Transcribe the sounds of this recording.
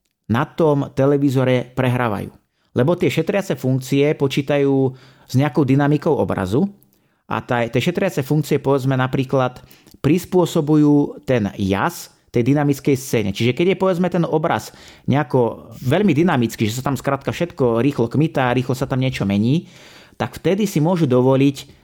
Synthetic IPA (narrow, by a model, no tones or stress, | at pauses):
nat̪ɔmt̪ɛlɛʋizɔɾɛpɾɛɦɾaːʋa̰jṵː | lɛbɔt̪ɪɛʃɛt̪ɾɪat͡sɛfuŋkt͡siɛpɔt͡ʃiːt̪ajuː | z̥ɲɛakɔʊd̪inamikɔʊɔ̰bɾa̰zu | ʔa̰t̪at̪ɪɛʃɛt̪ɾɪat͡sɛfuŋk̚t͡siɪɛpɔʋɛd͡zmɛnapɾiːklat̪ | pɾispʊɔsɔbujuːt̪ɛnja̰s | t̪ɛjd̪inamit͡skɛjst͡sɛːɲɛ̰t͡ʃiʒɛkɛɟjɛpɔʋɛd͡zmɛt̪ɛnɔbɾa̰zɲɛakɔʋɛʎmid̪inamit͡skiʒɛs̬at̪amskɾaːt̪̚kafʃɛt̪kɔɾiːxlɔkmit̪aɾiːxlɔsat̪amɲɪɛt͡ʃɔmɛɲiː | t̪akft̪ɛd̪isimʊɔʒud̪ɔʋɔlic